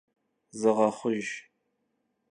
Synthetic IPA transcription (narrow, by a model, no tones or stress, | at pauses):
zɨʁɐχʷʊʒ